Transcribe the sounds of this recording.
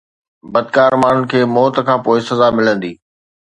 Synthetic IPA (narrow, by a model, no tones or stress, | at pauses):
bɐd̪̚kaːɾmaːɳ̤ʊnɪ̆kʰeːmɔːt̪əkʰãːpoːɪsɐzamɪlə̃nd̪iː